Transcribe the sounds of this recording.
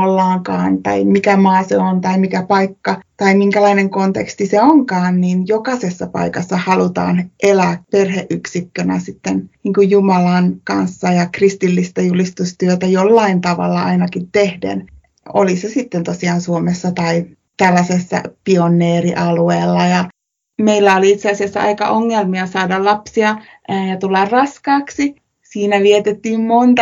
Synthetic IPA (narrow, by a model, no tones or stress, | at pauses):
olːɑːŋkɑ̰ːnt̪ɑ̰imikæmɑːseont̪ɑimikæpɑikːɑt̪ɑimiŋkælɑineŋkont̪ḛkst̪iseoŋkɑːnniːnjokɑsesːɑpɑ̰ikɑsːɑhɑlut̪ɑ̰ːnʔelæːperheʔʔyksikːønæ̰sit̪ːenniːŋkujjumɑlɑnkɑ̰nsːɑjɑkrist̪ilːist̪æjulist̪ust̪yøt̪æjolːɑint̪ɑʋɑ̰lːɑɑ̰inɑkit̪t̪ehdḛn | o̰lisesit̪ːent̪osiɑːnsuomesːɑt̪ɑi | t̪ælːæsesːæ̰pionˑːeːriʔɑlueːlːɑjɑ | meilːæoliit̪seɑsiɑsːɑ̰ɑ̰ikɑ̰ʔoŋːelmiɑsɑːdɑllɑpsiɑ | jɑt̪ulːɑrrɑskɑːksi | siːnæʋiet̪et̪ːiːmmont̪ɑ